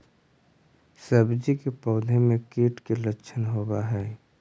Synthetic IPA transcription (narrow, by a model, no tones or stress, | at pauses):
səbd͡ʒikepɔːd̪ʱemẽkeːʈkelətːʃʰənɦoːbaɦɛː